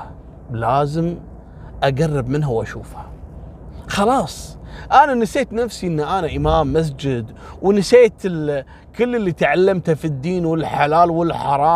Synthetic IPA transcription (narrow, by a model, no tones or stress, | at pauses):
laːzɪm | ʔaɡarˤːɪbmɪnɦawʔaʃuːfhḁ | xɑlɑːsˤʔananɪseːt̪nafsiʔɪnːaʔanaʔɪmaːmːas̬d͡ʒɪd̪ | wnɪseːt̪ɪl | kɪlːɪlːit̪aʕalːamt̪hafid̪ːiːnwɪlħalaːlwɪlħɑɾˤɑː